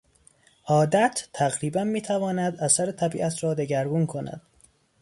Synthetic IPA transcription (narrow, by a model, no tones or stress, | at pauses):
ʔɒːd̪æt̪ʰːæɣɾiːbænmiːt̪ʰævɒːnæd̪æsæɾet̪ʰæbḭːʔæt̪ʰɾɒːd̪eɟæɾɡuːnkʰo̞næ̰d̪̥̚